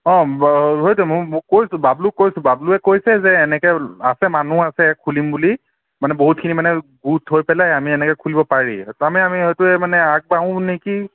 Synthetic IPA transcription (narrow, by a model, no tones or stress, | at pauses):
ɔ̃ɦojtumojkojsʊ̃bablukojsʊ̃babluɛkojsɛzɛːnɛkɛasɛmanuasɛkʰːulimbuli | manɛboɦut̚kʰinimanɛɡutɦojpɛlajamiɛnɛkɛkʰulibɔpaɹḭtamɛamiɦojtuɛmanɛaɡ̚baʊ̃neki